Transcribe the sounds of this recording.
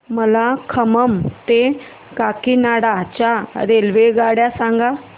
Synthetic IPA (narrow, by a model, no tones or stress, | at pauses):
məlakʰəməmt̪e | kakinaɽat͡ɕaɾelʋeɡaɽjasãŋɡa